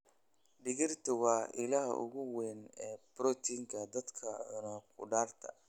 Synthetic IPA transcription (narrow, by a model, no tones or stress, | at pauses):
ɖɪɣɪrt̪ʰɐwɑːɪlaːhʊ̰ɣʊwɛːnɛːb̥rɔt̪ʰiːŋkʰɐd̪ɐd̪kʰɐnɐkʰʊ̰ɖaːrt̪ʰɐ̰